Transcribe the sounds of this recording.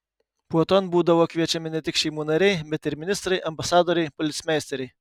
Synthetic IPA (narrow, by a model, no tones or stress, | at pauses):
puɔt̪oːnbuːd̪ɐʋoːkʋʲiɛt͡ʃʲɛmʲɪnʲɛt̪ʲɪkʃʲɛɪmuːnɐɾʲɛɪbʲɛt̪ɪɾmʲɪnʲɪst̪ɾɐɪʔɐmbɐsɑːd̪oːɾʲɛɪpɔlʲɪt̪sʲmʲæːˑsʲt̪ʲɛɾʲɛɪ